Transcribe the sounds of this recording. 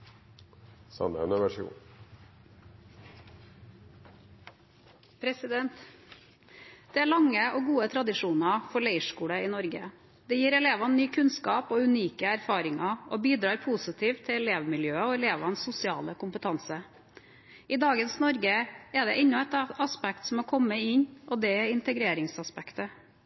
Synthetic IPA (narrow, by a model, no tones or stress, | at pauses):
sɑ̰nə̰ɛ̰nəʋæʂṵː | pʰɾɛsɪd̪ɛnt̪ | d̪̥ɛːæːɭɑŋəoːɡuːət̪ʰɾɑd̪ɪʂuːnɑfɔɾɭeɪʂkuːɽəiːnɔɾɡə | d̪̥ɛjiːɾɛleːʋɑnnyːkʰʉnskɑːpoːʉniːkəæɾfɑːɾɪŋɑʔobiːd̪ɾɑːɾpʰuːsɪt̪ʰiːʋt̪ʰːɪɛleːʋmɪljøːəɔɛleːʋɑnsːʊsɪɑ̰ːləkʊmpət̪ʰɑnsə | ɪd̪ɑːɡənsnɔɾɡəɛɖ̪ɛʔɛnːɔɛt̪ɑspɛkt̪sɔmɔːkʰɔməɪɲʔɔːd̪ɛɛɾɪnt̪əɡɾeːɾɪŋsɑspɛkt̪ə